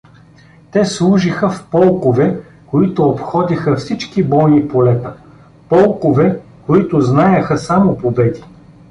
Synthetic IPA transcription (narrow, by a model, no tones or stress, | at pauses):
t̪ɛslˠuʒixəfpɔlˠkovɛ | koit̪ʊːpxɔd̪ixəfsit͡ʃkibɔjnipolɛt̪ə | pɔlˠkovɛ | koit̪ʊznajəxəsamopobɛd̪i